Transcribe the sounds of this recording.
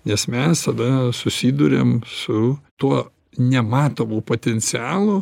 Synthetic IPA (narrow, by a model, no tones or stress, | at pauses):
nʲɛsmʲɛst̪ɐd̪ɐsʊsʲiːd̪ʊɾʲḛmsʊt̪uɔ | nʲɛmɑːt̪oːmuːpoːt̪ʲɛnʲsʲɪɑːlˠʊ